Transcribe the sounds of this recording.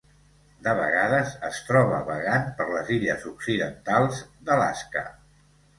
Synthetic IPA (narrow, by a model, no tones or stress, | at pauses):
d̪əβə̰ɣaðəzəst̪ɾɔβəβəɣanpəɾləziʎəzuksiðənt̪alˠzd̪əla̰skə̰